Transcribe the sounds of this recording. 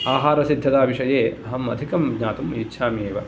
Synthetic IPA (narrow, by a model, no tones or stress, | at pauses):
aːɦaːɾɐsid̪ʱːɐt̪aːbiʂɐjeːɐɦɐmɐ̰d̪ʱikɐmɲaːt̪umitːʃʰaːmeːʋɐ